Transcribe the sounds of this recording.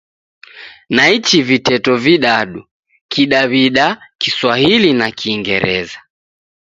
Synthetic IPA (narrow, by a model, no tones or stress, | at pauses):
nait͡ʃivitɛtɔviɗaɗu | kʰiɗaβiɗakiswahilinakiːŋɡɛ̰ɾɛ̰za